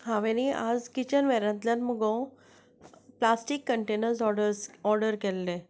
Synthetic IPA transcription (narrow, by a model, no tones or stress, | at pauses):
hãʋẽniʔa̰d͡zkit͡ɕənʋɛɾãt̪ljanməɡõ | plasʈikːəɳʈenəɾs̬ɔɖəɾsɔɾɖəɾkɛlːe